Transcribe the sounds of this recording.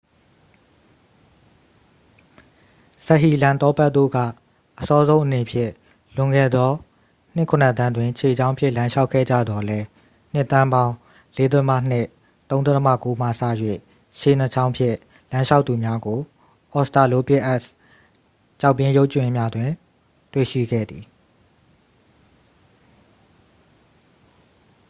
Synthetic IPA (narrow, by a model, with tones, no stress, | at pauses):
sɛ˦ʔɦi˨lã˨nt̪ɔ˦pɛ˦t̪̚t̪ːo̰˦˨ɡa̰˦˨ | ʔəsɔ˦zõ˦ʊ̃ʔəne˨pʰjɪ̰̃˦˨ | lʊ̃˨ŋɡɛ̰˦˨d̪ðɔ˦ | n̥ɪ˦˨kʰʊ̃˨nə˨t̪ã˦ndwɪ̃˨t͡ɕʰe˨d͡ʑã˦ʊ̃mpʰjɪ̃˦˨lã˦ʃa˦ʊʔkʰːɛ̰˦˨d͡ʑä̰˦˨d̪ɔ˨lɛ˦ | n̥ɪ˦t̪ːã˦mbã˦ʊ̃ | le˦d̪ə˦təmä̰˦˨n̥ɪ˦˨ | t̪õ˦ʊ̃nd̪ðtə˦mä̰˦˨ko˦m̥ä̰˦˨sä̰˦˨jwḛ˦˨ | ʃe˨n̥ə˨t͡ɕʰã˦ʊ̃mpʰjɪ̰̃˦˨ | lã˦ʃa˦ʊt̪ːu˨mja˦ɡo˨ | ʔɔ˨sta˨lo˦pɪ˦ʔɛ˦s | t͡ɕa˦˨ʊpːjɪ̃˦jo˦ʊʔt͡ɕwɪ̃˨mja˦dwɪ̃˨ | twḛ˦˨ʃḭ˦˨ɡɛ̰˦˨d̪i˨